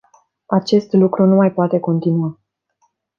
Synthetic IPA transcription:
at͡ʃe̞st̪lukɾunumajpoat̪e̞ko̞nt̪inua

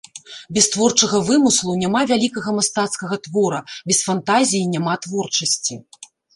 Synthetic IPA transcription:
bʲɛst̪vɔrt͡ʂɐɣɐvɨmɨslˠunʲamavʲalʲikɐɣɐmast̪at̪skɐɣɐt̪vɔɾɐbʲɛsfant̪azʲijinʲamat̪vɔrt͡ʂɐsʲt͡sʲi

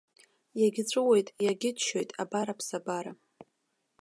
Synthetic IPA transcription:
jaɡʲɪt͡ɕʷʼɨwe̞jtʼjaɡʲɪdʰʃojtʼa̰baɾapʰsabaɾa

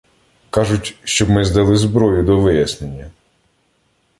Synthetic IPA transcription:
kɑʒʊtʲʃt͡ʃɔbmɪzd̪ɐlˠɪzbɾɔjʊd̪ɔʋɪjɐsnenʲːɐ

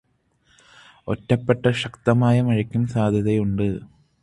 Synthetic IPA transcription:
otːɐpːeʈːɐɕɐkt̪ɐmaːjɐmɐɻɐkʲːumsaːd̪ʱjɐðɐjuɳɖɨ

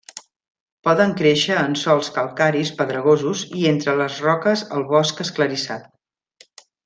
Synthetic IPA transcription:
pɔðəŋkɾeʃəːnsɔlˠskəlˠkaɾispəðɾəɣ̞ozuzient̪ɾələzrɔkəzəlˠβɔskəskləɾisat̪̚

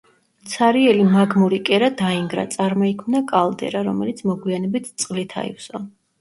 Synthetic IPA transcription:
t̪sʰaɾiɛlimaɡmuɾikʼɛɾad̪aiŋɡɾa̰t̪sʼaɾmɔikʰmnakʼalˠd̪ɛ̰ɾaɾɔmɛlit̪sʰmɔɡwianɛbit̪ʰt̪sʼqʼlit̪ʰa̰ḭfsɔ

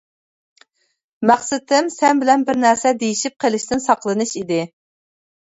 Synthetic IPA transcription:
mæχsɪt̪ʰɪmsɛnbɪlɛnbɪɾnæɾsɛd̪ejiʃip̚qʰelɪʃt̪ɪnsɑqlˠɨnɨʃid̪ɪ

